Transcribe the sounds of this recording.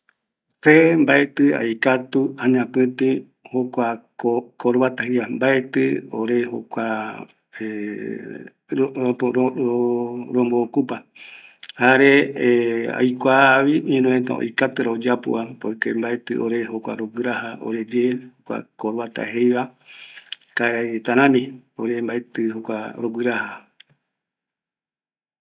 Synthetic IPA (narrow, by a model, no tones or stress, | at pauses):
fembaet̪ɨa̰jkat̪uãɲãpɨ̃t̪ĩ | hokʷaokoɾuβat̪ahejβambaet̪ɨoɾeho̰kʷa | e | ɾooɾomboːkupa | haɾe | a̰jkʷaβiɲẽnõẽt̪a̰o̰jkat̪ɨɾaod͡ʒapṵʔapojkḛmbaet̪ɨ̰ʔoɾeɦokʷa̰ɾoɡɨɾahao̰ɾed͡ʒehokʷa̰koɾwat̪a̰ɦejβa | kaeɾat̪aɾãmĩoɾembaet̪ɨhokʷaɾoɡʷɨɾaha